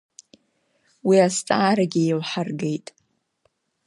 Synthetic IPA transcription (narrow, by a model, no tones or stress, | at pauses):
wiast͡sʼaːɾaɡʲijelħarɡe̞jtʼ